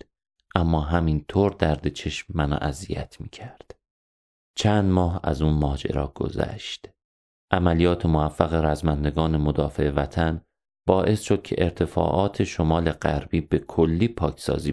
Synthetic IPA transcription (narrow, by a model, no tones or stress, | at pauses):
ʔæmːɒːɦæmint̪ʰoːɾd̪æɾd̪e̞t͡ʃʰe̞ʃmːænɒ̰ːʔæzijæ̰t̪ʰmiːcʰæɾd̪̥ | t͡ʃʰænd̪mɒːɦæ̰zuːnmɒːd͡ʒḛɾɒ̰ːɡ̥o̞̰zæ̰ʃd̪̥ | ʔæmælijɒːt̪ʰemovæfːæɣe̞ɾæzmænd̪e̞ɡɒːne̞mod̪ɒːfe̞̰evæt̪ʰæn | b̥ɒːʔe̞sʃo̞d̪̥̚cʰe̞̰ʔeɾt̪ʰe̞fɒ̰ːʔɒːt̪ʰe̞ʃo̞mɒːle̞ɢæɾb̥iːbe̞kʰolːiːpʰɒːcʰsɒ̰ːziː